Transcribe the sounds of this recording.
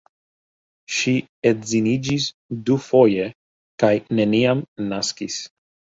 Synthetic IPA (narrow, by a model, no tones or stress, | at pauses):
ʃietzinid͡ʒis | dufo̞je | kajne̞niamnaskis